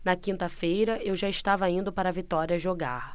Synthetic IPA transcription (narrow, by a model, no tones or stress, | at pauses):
nɐkĩnt̪ɐfejɾɐʔewʒaɪʃt̪avɐĩnd̪ʊpaɾɐvit̪ɔɾiɐʒoɡaɾ